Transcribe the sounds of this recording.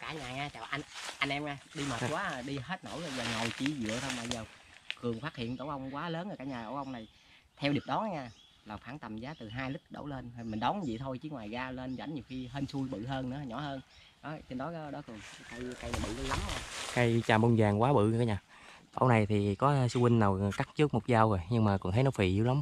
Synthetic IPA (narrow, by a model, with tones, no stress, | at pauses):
kaː˧˩ɲaː˨˩ŋaː˧t͡ɕaː˨˩wʔa˧nʔa˧nʔɛ˧mŋaː˧ɗi˧məː˨˩˨kwaː˨˦˨ɗi˧ɦe˦˥t̚no̰˧˩wzo˧˩jzaː˨˩ŋo˨˩jt͡ɕi˧˩˦zɨ̰˧˨ət̪ʰə˧na̰ː˧˩jzəː˨˩wkɨ˨˩əŋfaː˦˥t̚hḭ˧˨ənt̪o̰˧˩wʔə˧wŋ͡mkwaː˨˦ləː˨˦naː˨kaː˧˩ɲaː˨˩t̪o̰˧˩wʔə˧wŋ͡mna˨˩j | t̪ʰɛ˧wɗi˨˩p̚ɗɔ˨˦nʔa˨˦ŋaː˧˩ | laː˨˩faː˧˩ŋt̪a˨˩mzaː˨˦t̪ɨ˨˩ɦaː˧jlɨ˦˥k̚ɗo̰˧˩wle˧n˨˩mi˨˩n̟ɗɔ˨˦ŋkːzḭ˧˨t̪ʰo˧jt͡ɕi˨˦ŋwaː˨˩jɣaː˧le˧nza̰˧˩jŋ̟ɲi˨˩wxi˧ɦəː˧nsu˧jɓɨ̰˧˨ɦəː˧nɨ̰˧˥˨ɲɔ˧˩˦həː˧n | nɔ˨˦t͡ɕe˧nɗɔ˨˦jɔ˨˦ɗɔ˨˦kɨ˨˩ŋka˧jka˧jna˨˩ɓɨ̰˧˨lə˧˦la˨˦mɲaː˧˩ka˧jt͡ɕaː˨˩mo˧nzaː˨˩ŋkwaː˨˦ɓɨ̰˧˨˧kːa˨˦ɲaː˨˩ | t̪o̰˧˩wna˨˩jt̪ʰi˨˩kɔ˨˦su˧hwï˧ŋnaː˨˩wka˦˥k̚t͡ɕɨ˦˥k̚mo˨˩k͡p̚zaː˧wzo˨˩jɲɨ˧ŋmaː˨˩kɔ̰˧˩nt̪ʰə˨˦nɔ˨˦fi˧˨˩i˧˦wla˨˦m